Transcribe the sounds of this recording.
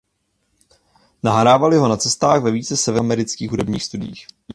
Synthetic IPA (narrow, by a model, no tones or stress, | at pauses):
naɦɾaːvalɪɦonat͡sɛst̪aːɣvɛviːt͡sɛsɛvɛmɛɾɪt͡skiːxɦudɛbɲḭːxst̪udɪjḭːx